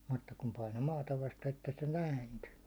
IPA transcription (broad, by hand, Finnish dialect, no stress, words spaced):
mutːɑ kum pɑino mɑːtɑ ʋɑste etːæ se næˑinty